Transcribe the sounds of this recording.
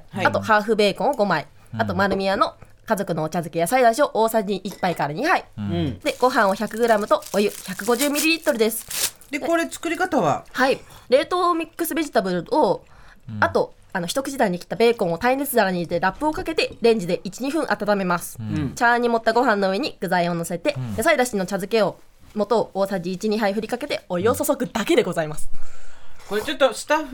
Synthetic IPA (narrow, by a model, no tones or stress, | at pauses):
at̪o̞haːɸɯ̟be̞ːkõ̞ɰ̃oɡo̞mai | at̪o̞maɾɯ̟mʲiano̞ | kazo̞kɯ̟no̞ːt͡ɕazɨkʲejasaid̪aɕio̞ʔo̞ːsaɲiʔipːaikaɾaɲ̟ihaid̪̥e̞ɡ̥o̞ɦãɰ̃o̞çakɯ̟ɡɯ̟ɾamɯ̟t̪o̞ojɯ̟çakɯ̟ɡo̞ʑɨːmʲiɾʲiɾʲit̪ːoɾi̟d̪e̞sɨ̥ | d̪ekoɾet͡sɨ̥kɯ̟ɾʲikat̪aβa̰haiɾe̞ːt̪o̞ːmʲikːɯ̟sɨbe̞ʑit̪abɯ̟ɾɯ̟o | at̪o̞ | ano̞çi̥t̪okɯ̟ʑid̪aiɲ̟ikʲi̥t̪abe̞ːkõ̞ɰ̃ot̪aĩɾesɨd̪aɾaɲ̟id̪eɾapːɯ̟o̞kake̞t̪e̞ɾẽ̞ɲ̟d͡ʑid̪e̞ʔit͡ɕiɲ̟iɸɯ̟̃ɰ̃ʔat̪at̪ame̞masɨ̥t͡ɕaːɲ̟ːimo̞t̪ːaɡo̞ɦãnːo̞ɯ̟e̞ɲ̟iɡ̥ɯ̟zaĩo̞no̞se̞t̪e̞jasaid̪aɕi̥ino̞t͡ɕazɨke̞o | mo̞t̪o̞oːsad͡ʑiːt͡ɕiɲ̟iɦaiɸɯ̟ɾʲikake̞t̪e̞o̞jo̞ːsosokɯ̟d̪ake̞d̪e̞ɡo̞zaimasɨ̥ | koet͡ɕot̪ːosɨ̥t̪aɸɯ